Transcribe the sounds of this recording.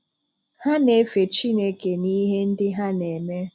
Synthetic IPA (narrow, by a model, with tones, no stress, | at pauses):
ha˦ne˨˦fe˨t͡ʃi˦ne˦ke˨ni˦ɦe˦n̩˦dɪ˦ɦa˦ne˨me˦